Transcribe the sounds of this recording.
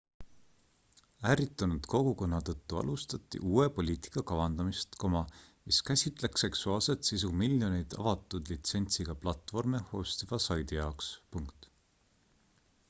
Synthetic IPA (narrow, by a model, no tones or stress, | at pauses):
æːɾit̪ːˑɑnud̪̥ko̞ɡ̥uko̞nːɑt̪ɤt̪ːuɑ̰lust̪ɑt̪ːˑḭʔuːe̞po̞lʲiːt̪i̥kːˑɑkɑvɑnd̪ɑmist̪komɑmiskæsʲit̪ˑle̞kse̞ksuɑːlse̞t̪sis̬umilʲjo̞nejd̪̥ɑ̰vɑt̪ˑːud̪̥lit̪se̞nʲt̪siɡ̥ɑplɑt̪ːˑvo̞rmeho̞ːst̪ivɑsɑjd̪ijɑokspuŋkt̪ˑ